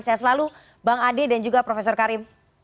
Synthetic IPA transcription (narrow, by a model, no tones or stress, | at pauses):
nsajasəlalu | baŋadedand͡ʒuɡapɾɔfesɔrkaɾɪm